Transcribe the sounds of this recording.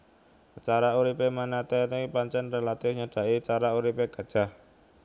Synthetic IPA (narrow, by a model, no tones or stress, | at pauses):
t͡ʃaɾauɾipemanat̪ɛnipaɲt͡ʃɛnrelat̪ɪfɲaɖ̥ä̤it͡ʃaɾauɾipeɡ̥a̤d̥ʒ̥a̤h